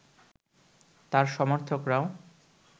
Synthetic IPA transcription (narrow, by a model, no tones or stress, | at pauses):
t̪aɾʃɔmoɾt̪ʰokɾao